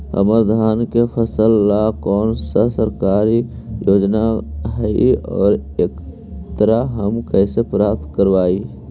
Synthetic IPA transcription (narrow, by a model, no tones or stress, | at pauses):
ə̰məɾd̪ʱaːnkepʰəsəlːakɔːnsasəɾkaːɾi | joːd͡ʒnaɦəiɔ̰ːɾeːk | t̪əɾaɦəmkɛːsepɾaːp̚t̪ʰkəɾʋaːi